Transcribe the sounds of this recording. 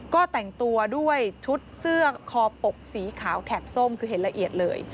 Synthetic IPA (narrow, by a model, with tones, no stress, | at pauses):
kɔː˥˩t̪ɛ˨˩ŋt̪u˧ɐdu˥˩əjt͡ɕʰu˦˥t̪̚sɯ˥˩ɐkʰɔː˧po˨˩k̚siː˩˦kʰaː˩˦wt̪ʰɛ˨˩p̚so˥˩mkʰɯː˧ɦe˩˦nla˧ʔi˨˩ət̪̚lɤ̰ː˧j